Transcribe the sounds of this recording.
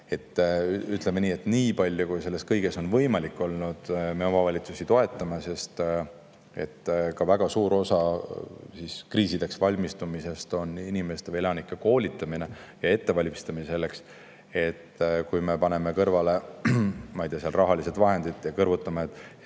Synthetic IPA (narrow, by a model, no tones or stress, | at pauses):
e̞t̪ːyt̪ˑlemeniːe̞t̪ːˑniːpɑlʲjokujse̞lːe̞skɤjɡe̞so̞nvɤjmɑlikːˑo̞lnud̪̥me̞o̞mɑvɑlʲit̪susit̪o̞e̞t̪ːˑɑmese̞st̪ | e̞̰t̪ːkɑvæɡ̥ɑsuːɾo̞sɑ | siskriːsid̪̥e̞ksvɑlʲmist̪umise̞st̪o̞ninime̞st̪eelɑnikːˑeko̞ːlʲit̪ːˑɑminejɑe̞t̪ːe̞vɑlʲmist̪ɑminse̞lːe̞ks | e̞t̪ːkujme̞pɑne̞me̞kɤrvɑle̞ | mɑjd̪̥eɑseɑlrʔɑɦɑlise̞d̪̥vɑɦe̞nd̪̥id̪jɑkɤrvut̪ːˑɑmeet̪ːˑ